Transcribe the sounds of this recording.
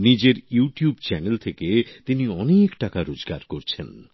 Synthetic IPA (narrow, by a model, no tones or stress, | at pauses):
nid͡ʑeɾjuʈijubt͡ɕɛnelt̪ʰeket̪iniɔnekʈakaɾod͡ʑɡaɾkoɾt͡ɕʰen